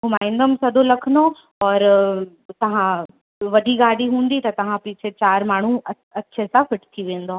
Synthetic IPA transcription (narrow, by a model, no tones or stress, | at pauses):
ɡʊmaːɪ̃nɖ̪əmsɐd̪olɐkʰno | ɔːɾ | t̪ɐɦã | ʋɐɖʱiɡaːɽiɦũːnd̪it̪ɐt̪ɐɦãpiːt͡ʃʰet͡ʃaːɾmaːɳ̤ũɐ | ɐtːʃʰesafɪʈt̪ʰiʋẽːnd̪oː